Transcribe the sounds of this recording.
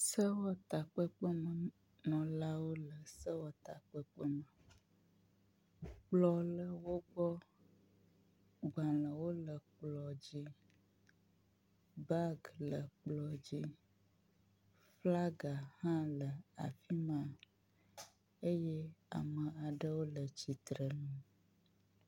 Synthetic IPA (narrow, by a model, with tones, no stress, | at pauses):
sə˦wɔ˦t̪a˨k͡pə˦k͡pə˦mə˨ | nɔ̃˨la˦wo˦lə˨sə˦wɔ˦t̪a˨k͡pə˦k͡pə˦mə˨ | k͡plɔ˦lə˨wo˦ɡ͡bɔ˦ | ɡ͡ba˨lə˨wo˦lə˨k͡plɔ˨d͡ʑi˦ | ba˦ɡlə˨k͡plɔ˨d͡ʑi˦ | fla˦ɡa˨hã˦lə˨a̰˨fi˦mã˦ | e˦jɛ˦a̰˨mə̃˨a˨ɖə˦wo˦lə˨t͡ɕi˨t̪ɾə˨nũ˦